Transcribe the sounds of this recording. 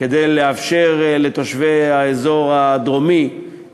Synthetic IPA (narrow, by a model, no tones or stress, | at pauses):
ked̪ejleafʃe̞ʁle̞t̪oʃveaezo̞ʁad̪ʁo̞mi